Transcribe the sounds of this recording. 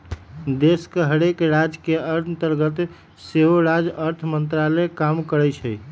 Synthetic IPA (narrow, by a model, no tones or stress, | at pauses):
d̪eskeɦəɾekɾad͡ʒkeəɾnt̪əɾɡət̪ | seɦoɾad͡ʒəɾt̪ʰmənt̪ɾalekamkəɾɛt͡ʃʰəj